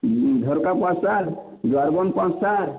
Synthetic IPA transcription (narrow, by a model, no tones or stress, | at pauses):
d̪ʱɔɾkapãsaɾ | dwaɾbɔnpãsaɾ